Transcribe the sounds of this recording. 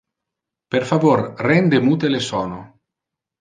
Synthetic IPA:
peɾfavoɾrɛnd̪emut̪elesɔːno̰

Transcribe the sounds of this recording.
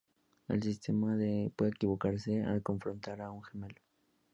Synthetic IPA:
ḛlsist̪emaðepweðeekiβokaɾsea̰lkoɱfɾont̪aɾauŋxemelo

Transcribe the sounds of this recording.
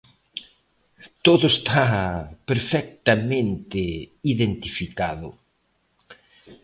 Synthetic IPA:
t̪oðʊest̪ʰapeɾfɛk̚t̪amẽnt̪ɪiðent̪ifikaðʊ̰

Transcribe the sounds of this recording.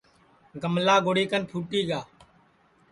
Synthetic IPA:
ɡʱəmlaːɡoːɽiːkənpʰuːʈiːɡaː

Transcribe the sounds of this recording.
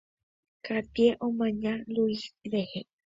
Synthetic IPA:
kat̪jeʔomãɲaluisilehe

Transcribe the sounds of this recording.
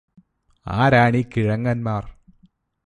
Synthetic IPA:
a̰ːɾaːɳikiɻɐŋːɐnmaːr

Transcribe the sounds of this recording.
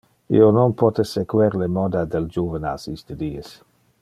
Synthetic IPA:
ḭononpɔt̪esekweɾlemɔd̪ad̪eld͡ʒuvena̰sist̪ed̪iːes

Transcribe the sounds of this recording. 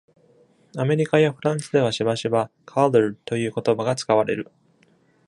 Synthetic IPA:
ame̞ɾʲikajaɸɯ̟ɾãɰ̃sɨd̪e̞βaɕibaɕiβa | kʰalɯɾɯ̟t̪o̞jɯ̟ːkot̪o̞baɡat͡sɨ̥kaβaɾe̞̰ɾɯ̟

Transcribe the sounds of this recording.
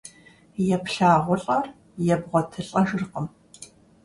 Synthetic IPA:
jɛpɬaːʁʷʊɬʼɐr | jɛbʁʷɔtʰɨɬʼɐʃɨrqəm

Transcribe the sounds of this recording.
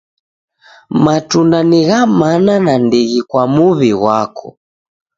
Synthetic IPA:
matundaniɣamananandiɣikwamuβiɣwakɔ̰

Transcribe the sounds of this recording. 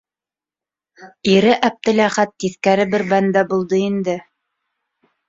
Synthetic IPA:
iɾɘʔæp̚t̪ɘ̆læχæt̪ːiθkæɾɘbɘɾbænd̪æbulˠd̪ɤind̪ɘ

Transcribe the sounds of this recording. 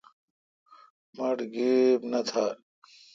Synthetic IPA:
mɐʈɡibnɐt̪ʰaː

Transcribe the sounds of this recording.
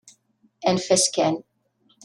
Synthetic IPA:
ɛnfɛskɛn

